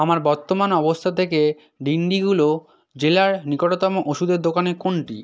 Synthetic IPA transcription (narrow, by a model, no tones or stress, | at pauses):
amaɾbɔɾt̪ːomanɔbost̪ʰat̪ʰeke | ɖiɳɖiɡulo | d͡ʑelaɾnikoʈot̪ɔmoʔoʃud̪eɾd̪okanekoɳʈḭ